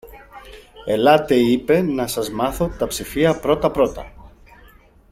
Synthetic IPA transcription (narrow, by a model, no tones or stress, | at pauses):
e̞lɐt̪e̞ipe̞nɐsɐzmɐθo̞t̪ɐpsifiɐpɾo̞t̪ɐpɾo̞t̪ɐ̰